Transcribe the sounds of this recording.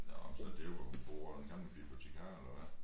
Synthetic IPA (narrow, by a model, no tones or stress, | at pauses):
jæɒ̽msɒd̥e̝joʋɒmub̥ʁṵːɐd̥enɡ̥ɑ̈mləb̥ḭːlpʰɒɕʰekʰɑ̈ːelɐʋæ